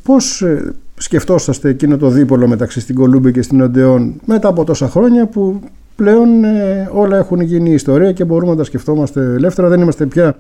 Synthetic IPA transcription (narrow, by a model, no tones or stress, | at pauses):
po̞ssce̞ft̪o̞sɐst̪e̞ːcino̞t̪o̞ðipo̞lo̞me̞t̪ɐksist̪iɡo̞lumbicest̪ino̞nd̪e̞o̞nme̞t̪ɐːpo̞t̪o̞sɐxɾo̞ɲɐpu | ple̞o̞neo̞lɐe̞xunʝiniːst̪o̞ɾiɐce̞bo̞ɾumenɐt̪ɐsce̞ft̪o̞mɐst̪e̞le̞ft̪e̞ɾɐðe̞nimɐst̪e̞pçɐ